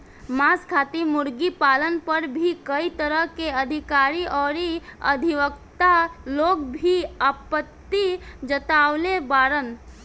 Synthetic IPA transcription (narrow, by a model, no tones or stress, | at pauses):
maskʰat̪imuɾɡipalənpəɾbʱikəit̪əɾəɦkeəd̪ʱikaɾiʔɔːɾiə̰d̪ʱiʋəkt̪aloɡbʱiəpət̪ːid͡ʒət̪aʊlebaɾən